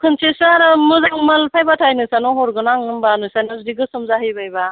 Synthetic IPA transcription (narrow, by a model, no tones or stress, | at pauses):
kʰɯnt͡ʃesɯaɾɯmɯzaŋmɐlpʰajbatʰajnɯsanɔɦɔɾɡɯnaŋɯmbanɯsanɯzdiɡɯsɯmzaɦɯjbajba